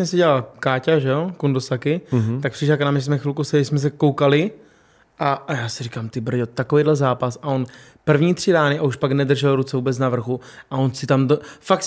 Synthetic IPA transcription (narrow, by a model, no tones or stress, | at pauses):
ɲɛsɛɟɛlalkaːcaʒɛjokundosakɪt̪ak̚prɪʃlaknamɪs̬mɛxɪlkosɛɪsmɛs̬ɛkowkalɪ | ʔajaːsɪɾikaːmt̪ɪbr̩ɟot̪akovejdlɛzaːpasaon | pr̩vɲiːt̪r̝̥ɪdaːnɪʔauʃpaɡnɛd̪r̩ʒɛlɾut͡sɛvuːbɛt͡snavr̩xuʔaonsɪt̪amdofakt